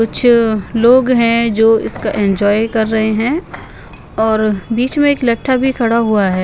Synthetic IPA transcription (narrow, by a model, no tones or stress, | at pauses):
kʊt͡ʃʰloːɡɦɛ̃d͡ʒoːɪ̰skaʔɛ̃nd͡ʒɔːjkɐɾːɐɦeɦɛ̃ | ɔːɾbiːt͡ʃmẽeːklɐʈʰːabʱikʰɐɽaɦuaɦɛː